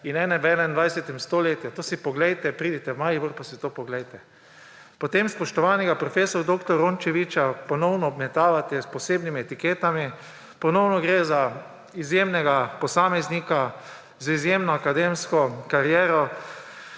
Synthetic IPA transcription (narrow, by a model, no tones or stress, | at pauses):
inɛːnɛʋɛːnɛnd̪ʋajsɛt̪ɛmst̪oleːt̪jat̪oːsipɔɡlɛjt̪ɛpɾiːd̪it̪ɛwmaːjiʋəɾpasit̪oːpɔɡlɛjt̪ɛ | pot̪emspɔʃt̪ɔʋaːnɛɡapɾɔfeːsɔɾd̪okt̪ɔɾont͡ʃɛʋit͡ʃapɔnɔwnɔːbmɛt̪aːʋat̪ɛsposeːbnimiɛt̪ikeːt̪ami | pɔnɔwnɔɡɾeza | izjemnɛɡapɔsaːmɛznika | zizjemnɔakad̪emskɔkaɾjɛːɾɔ